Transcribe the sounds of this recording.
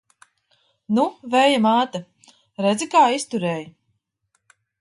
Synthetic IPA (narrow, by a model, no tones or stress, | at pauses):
nuvɛjamaːt̪a | ɾɛd̪zikaːist̪uɾɛːj